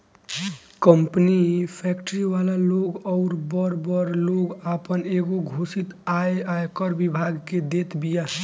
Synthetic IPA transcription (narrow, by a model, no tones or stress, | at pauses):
kəmpnipʰɛkʈəɾiʋalaloɡɔʊɾbəɾbəɾloɡapəneɡoɡʱosit̪aeaekəɾbibʱaɡked̪et̪bija